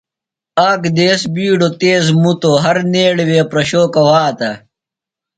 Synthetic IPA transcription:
aːkd̪eːsbiːɖot̪eːzmut̪oːɦɐɾneːɽeweːpɾɐɕoːkɐwaːt̪ɐ

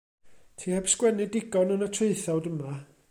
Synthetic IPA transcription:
tʰiːhɛpskwɛnɨdɪɡɔnənətʰreɨθɔwdəma

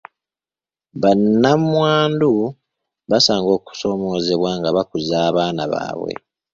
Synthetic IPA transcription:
βanːammwaːndu | βasaːŋɡo̞ːku̥so̞ːmo̞ːze̞βwaːŋɡaβakuzaːβaːnaβa̰ːβwḛ

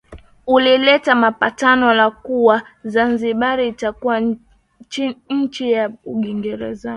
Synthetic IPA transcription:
ulilɛtamapatanɔlakuwazanziɓaɾiːtakuwa | ɲ̩t͡ʃijauɡiŋɡɛɾɛ̰za

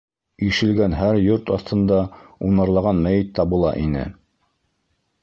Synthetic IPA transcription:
iʃɘ̆lɡænɦæɾjoɾt̪ɑθt̪ʰɤ̆nd̪ɑunɑɾlˠɑʁɑnmæjɘt̪ːɑbŭlˠɑ̰ʔinɘ̰

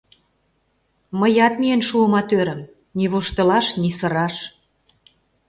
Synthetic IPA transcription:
məjɑt̪mienʃuəmɑt̪øɾə̆m | niβuʃt̪ə̆lɑʃnisə̆ɾɑʃ

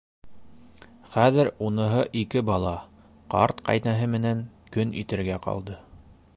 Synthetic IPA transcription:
χæðɘɾunɤ̆ɦɤʔikɘbɑlˠɑ | qɑ̰ɾt̪qɑ̰jnæɦɘmɘ̆næŋkɵnʔḭt̪ɘ̆ɾɡæqɑ̰lˠd̪ɤ

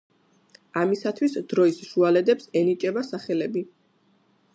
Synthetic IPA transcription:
amisat̪ʰwisd̪̥ɾɔisʃualɛd̪ɛpsɛnit͡ʃʼɛbasaχɛlɛbi

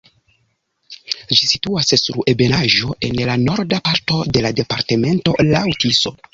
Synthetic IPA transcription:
d͡ʒisituassṵɾe̞be̞naʒo̞ʔe̞nlano̞ɾdapaɾto̞de̞lade̞paɾte̞me̞nto̞lawtiso

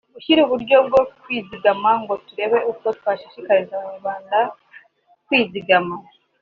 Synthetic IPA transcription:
uçiɾuβuɾɟo̞b̚ɡo̞kwiːziɡamaŋɡo̞tuɾe̞βe̞ʔukotwaːʃiʃikaɾizaβaɲuβaːnda | kwiːziɡama

